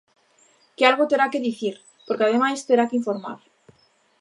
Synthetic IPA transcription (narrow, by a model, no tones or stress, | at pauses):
kealɣot̪eɾakeðiθiɾ | poɾkeaðemajst̪eɾakiɱfoɾma̰ɾ